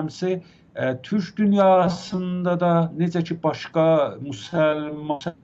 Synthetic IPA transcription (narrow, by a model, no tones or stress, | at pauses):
msi | t̪ʰyɾt͡ʃd̪ynjɑːsɯnd̪ɑd̪ɑne̞d͡ʒæt͡ʃʰibɑʃkɑmusælm